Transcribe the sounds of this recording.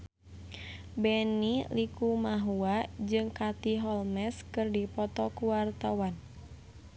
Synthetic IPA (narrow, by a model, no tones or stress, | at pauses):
bɛnilikumaɦuad͡ʒɨŋkat̪iɦɔlmɛskɨrdipɔt̪ɔkuwart̪awan